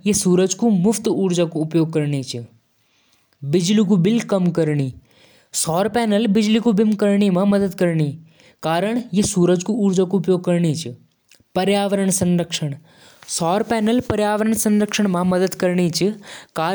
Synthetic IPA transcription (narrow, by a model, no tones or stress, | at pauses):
jesuːɾəd͡ʒkumʊfʰt̪uːɾd͡ʒakoʊpjoːɡ̚kəɾɳit͡ʃʰ | bɪd͡ʒlikubɪlkɐmkɐɾɳiː | sɔːɾpɛːnəlbɪd͡ʒlikubɪmkəɾɳimãmɐd̪əd̪kəɾɳiː | kaːɾəɳ̃jesuːɾəd͡ʒkuuːɾd͡ʒakoːpjoːɡ̚kɐɾɳit͡ʃʰ | pɐɾjaːʋəɾəɳsə̃nɾəkʃəɽ̃ | sɔːɾpɛːnəlpɐɾjaːʋəɾəɳsɐnɾəkʃəɳ̃mãmɐd̪əd̪kɐɾɳit͡ʃʰkaː